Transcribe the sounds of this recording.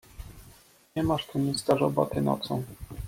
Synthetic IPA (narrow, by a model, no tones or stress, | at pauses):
ɲɛmaʂt̪umʲist̪aʐɔ̰ba̰t̪ɘnɔ̰t̪sɔ̃w̃